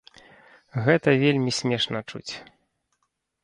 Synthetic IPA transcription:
ɣɛt̪ɐvʲelʲmʲisʲmʲɛʂnɐt͡ʂṵt͡sʲ

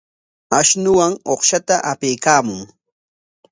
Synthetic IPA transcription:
aʃnʊwaŋoχʃat̪aʔapejkaːmʊŋ

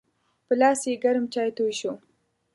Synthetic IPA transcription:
pəlɑːsjeɡaɾmt͡ʃɑjt̪ojʃo

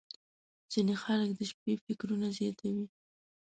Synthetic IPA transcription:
z̥inexaləkd̪əʃpefɪkɾunazjɑd̪awi

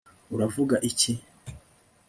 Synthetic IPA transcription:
uɾavuɡaʔici

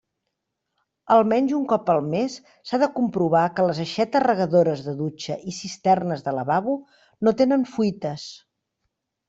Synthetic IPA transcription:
əlˠmɛnzuŋkɔpəlˠmesː | aðəkumpɾuβ̞akələzəʃɛt̪ərəɣəðoɾəzðəðut͡ʃəʔisist̪ɛrnəzðələβaβu | not̪enənfujt̪əs

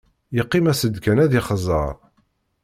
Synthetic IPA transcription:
jəqːɪmæsəd̪kænæðiχəzˤə̰ɾˤ

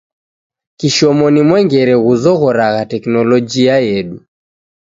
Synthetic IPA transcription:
kiʃɔmɔnimwɛŋɡɛɾɛɣuzɔɣɔɾaɣatɛknɔlɔd͡ʒiajɛɗu

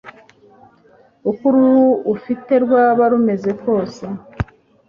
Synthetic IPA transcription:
ukuɾuwufite̞ɾɡwaːβaɾume̞ze̞ko̞ːse

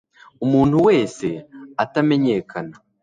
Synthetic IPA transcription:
umuːntuwe̞ːse̞atame̞ɲe̞ːkʰana

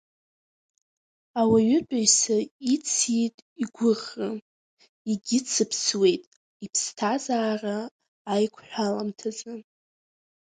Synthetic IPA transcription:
awaɥʏdʷʼaɥsait͡sʰjetʼiɡʷʊχa | iɡʲɪt͡sʰɨpʰswe̞jtʼ | ipʰstʰazaːraː | jkʷʰħʷᶣalamtʰazɨ

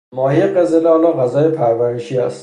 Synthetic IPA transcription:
mɒːhijeɢezeleɒːlɒːɣæzɒːjepʰæɾvæɾeʃiːæ̰st̪

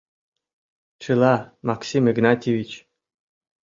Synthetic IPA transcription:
t͡ɕɯlˠɑmɑksʲimiɡnɑtʲevʲit͡ɕ

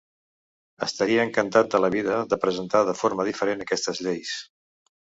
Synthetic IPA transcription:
əst̪əɾiəːŋkənt̪at̪̚d̪ələβiðəðəpɾəzənt̪aðəfoɾməð̞ifəɾenəkɛst̪əzʎejs

